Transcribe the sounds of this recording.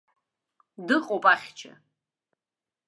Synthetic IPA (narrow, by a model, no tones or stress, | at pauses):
dɨqʼopʼaχʲt͡ʃʰa̰